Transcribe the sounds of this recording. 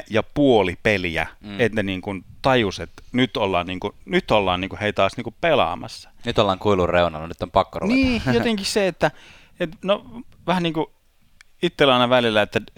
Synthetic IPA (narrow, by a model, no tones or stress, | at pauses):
jɑpuolipeliæ̰et̪ːæniːŋkunt̪ɑjuset̪nyt̪olːɑːnniːŋkunyt̪ːolːɑːnniːŋkuheit̪ɑːsniːŋkuppelɑ̰mɑ̰sːɑ̥nyt̪olːɑːŋkuilurreunɑ̰lːɑnyt̪ːompɑkːorṵniːjot̪eŋkisseet̪ːæ | et̪noʋæhænniːŋku | it̪ːelɑinɑʋælilːæet̪ːæ